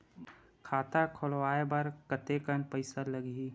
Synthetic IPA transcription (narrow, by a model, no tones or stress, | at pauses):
kʰaːt̪akʰolwaːebəɾkət̪ekənpəɪsaləɡi